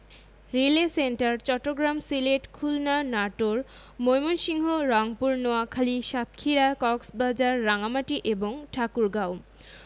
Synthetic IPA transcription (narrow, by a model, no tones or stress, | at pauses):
ɾilesenʈaɾt͡ɕɔʈːoɡɾamsileʈkʰulnanaʈoɾ | mojmonʃiŋɦoɾɔŋpuɾnoakʰaliʃat̪kʰiɾakɔksbad͡ʑaɾːaŋamaʈiʔeboŋʈʰakuɾɡaw